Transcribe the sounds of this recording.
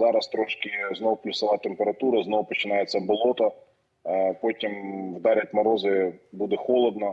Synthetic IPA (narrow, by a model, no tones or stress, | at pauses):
zɑɾɐst̪ɾɔʃkɪznɔwplʲʊsɐʋɑt̪empeɾɐt̪uɾɐznɔwpɔt͡ʃɪnɑjet͡sʲːɐbɔlˠɔt̪ɐ | pɔtʲimwd̪ɑɾʲɐt̚ʲmɐɾɔzɪbud̪ɛxɔlˠɔd̪nɐ